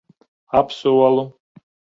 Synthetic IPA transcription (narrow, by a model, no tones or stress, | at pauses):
apʰsowalu